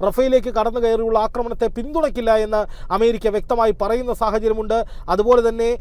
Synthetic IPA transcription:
rɐfɐjile̞ːk̬ːɨkɐɽɐnːɨkɐjɐrijuɭːɐaːkrɐmɐɳɐt̪ːe̞pind̪uɽɐkːilːɐe̞nːɐɐme̞ːɾikʲːɐʋjek̚t̪ɐmaːjipɐrɐjunːɐsaːhɐt͡ɕɐɾjɐmuɳɖɨ | ɐðubo̞ːle̞t̪ɐnːe̞

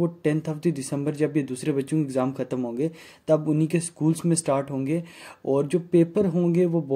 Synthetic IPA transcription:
oʈɛ̃nt̪ʰɦɐft̪idɪsə̃mbəɾd͡ʒɐbjed̪uːsɾebɐtːʃõkɪɡzaːmxɐt̪əmɦõːŋɡe | t̪oɐbʊnĩkeskuːlsmẽsʈaːɾʈɦõːŋɡeːɔːɾd͡ʒoːpeːpəɾɦõːŋɡeʋobɔ

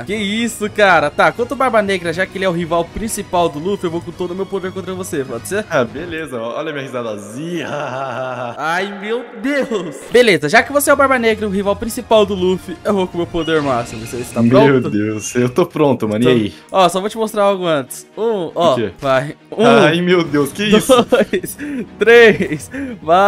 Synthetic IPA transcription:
kɪisʊkaɾɐt̪akwɐ̃t̪ʊbaɾbɐneɡɾɐɛʒakɪelɪɛʊɦivawpɾĩsipawd̪ʊlufɪewvokõt̪od̪ʊmewpod̪eɾkõt̪ɾɐkõvosepɔd͡ʒɪ̥seabelezɐɔɔ̰ʎɐmĩɐhizad̪ɐzĩɐaaaaajmewd̪ewsbelezɐʒakɪvoseɛʊbaɾbɐneɡɾɐʊɦivawpɾĩsipawd̪ʊlufɪewvokõmewpod̪eɾmasɪvoseist̪amɾoẽw̪ʊd̪ewsewt̪opɾõt̪ʊmɐ̃nĩai | ɔsɔvot͡ʃɪmost̪ɾaɾawɡʊɐ̃t͡ʃ̪ɪ̥sũɔkḛvajũajmewd̪ewskɪisjst̪ɾesva

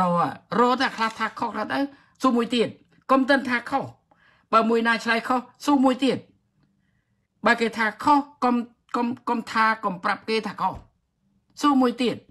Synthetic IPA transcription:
ɔːarɔːt̪ɛkʰlaht̪ʰaːkʰohkʰlaht̪əw | suːmuəjt̪iət̪̚ | komt̪ɨnt̪ʰaːkʰoh | ɓaːmuəjnaːt͡ɕʰlajkʰohsuːmuəjt̪iət̪̚ | ɓəkeːt̪ʰaːkʰohkom | komkomt̪ʰaːkomprap̚keːt̪ʰaːkʰoh | suːmuəjt̪iət̪̚

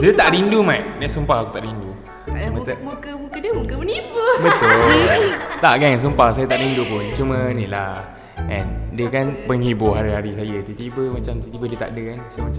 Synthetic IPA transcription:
diət̪aʔɾindumãʔ̚daʔsumpahaku̥t̪aʔɾindu | umə̃t̪ukəmukədəmukəbənipəbət̪ʊ | t̪aʔɡaŋns̬umpahsajat̪aʔɾindupʊnt͡ʃumə̃nila | ʔɛ̃ndiəkanpəŋɦibʊɦaɾiɦaɾisajat̪ut̪ibəmat͡ʃamt̪it̪ibədiət̪a̰ʔdəkansomat͡ʃa

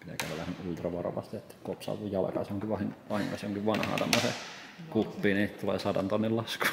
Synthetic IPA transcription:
pit̪æ̰kæʋælːæhenylt̪rɑʋɑro̰ɑ̰ʋɑ̰st̪iet̪ːæ̥kopsɑ̰ʋujjɑlkɑsoŋkiʋʋɑhiŋʋɑhiŋkɑsjoŋkiʋʋɑnhɑ̰ːt̪ɑ̰mːosḛ | kupːiːnit̪t̪ulḛːsɑdɑnt̪onːillɑsku̥

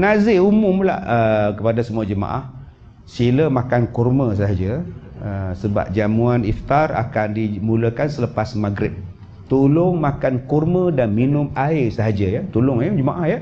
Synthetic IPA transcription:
nazɪumʊmla̰həkəpadasəmuad͡ʒəmã̰ʔah | siləmakankurmə̃s̬əɦad͡ʒəəsəba̰p̚d͡ʒamuanift̪ara̰kandimuləkansələpasmaɡɾɪp̚ | t̪ulʊŋmakankurmə̃danminʊmaɪsəɦad͡ʒəjət̪ulʊŋjəd͡ʒəmaʔahjə

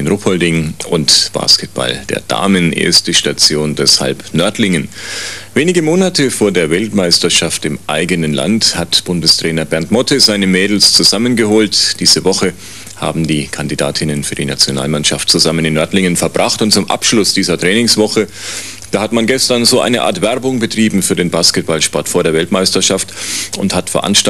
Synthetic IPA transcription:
ɪnʁopʰɔldɪŋʊntb̥a̰ːskɛt̚b̥a̰ld̥ḛːɐd̥a̰ːmənʔḛːɐstəʃtat͡sjoːndɛsha̰lpnœɐtlɪŋənveːnɪɡəmoːnatʰəfoːɐdeːɐvɛltmaɪstɐʃaftɪmʔa̰ɪɡənənla̰nthatb̥ʊndəstʁ̥ɛːnɐbɛɐntmɔtʰəzaɪnəmɛːdl̩st͡suzamənɡəhoːltd̥iːzəvɔχə | ha̰ːbm̩diːkʰandida̰ːtʰɪnənfyːɐdiːna̰t͡sjona̰ːlmanʃaftt͡suzamənɪnːœɐtlɪŋənfɛɐb̥ʁaχtʊnt̚t͡sʊmʔa̰pʃlʊsd̥iːzɐtʁ̥ɛːnɪŋsv̥ɔχə | d̥aːhatmanɡɛstɐnzoːʔa̰ɪnəʔa̰ːɐtv̥ɛɐbʊŋbətʁ̥iːbm̩fyːɐdeːnbaːskɛt̚b̥alʃpɔɐtfoːɐdeːɐvɛltmaɪstɐʃaftʊ̰nthatfɛɐʔa̰nʃt

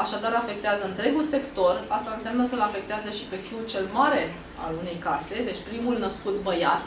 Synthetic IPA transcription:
aʃad̪aɾafe̞k̚t̪eazəɨnt̪ɾe̞ɡulse̞kt̪o̞rast̪aɨnsjamnəkəɨlafe̞k̚t̪eazəʃi̥pe̞fiut͡ʃe̞lmaɾe̞ | a̰lune̞jkase̞d̪e̞t͡ʃʲpɾimulnəskut̪bəjat̪

